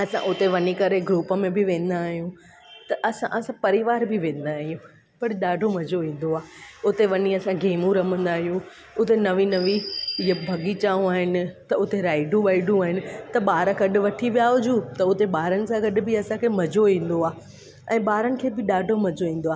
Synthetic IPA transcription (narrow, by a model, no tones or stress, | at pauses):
ɐsã̰ʔʊt̪eʋɐnikɐɾeɡɾuːpə̆mẽbɪʋẽːn̆d̪aːɦijũ | t̪ɐʔɐsã̰ʔɐsãpɐɾiʋaːɾbʱɪʋẽːn̆d̪aːɦijũ | pɐɽɗaːɖʱomɐd͡ʑoĩːn̆d̪oaːʊt̪eʋɐniɐsãɡeːmũɾɐm̤ə̃nd̪aːɦijũ | ʊt̪enɐʋĩnɐʋiɐbʱɐɡit͡ɕaːɦũaːɦɪnɪ̆t̪ɐʊt̪eɾaːɪɖũʋaːɪɖũaːɦɪnɪ̆t̪ɐɓaːɾəɡɐɗʊ̆ʋɐʈʰiʋijaːɦod͡ʑut̪ɐʊt̪eɓaːɾənɪ̆sãɡɐɗʊ̆bʱɪɐsãkʰeːmɐd͡ʑoĩːn̆d̪oaː | ɛ̃ːɓaːɾənɪ̆kʰeːbɪɗaːɖʱomɐd͡ʑoĩːn̆d̪oaː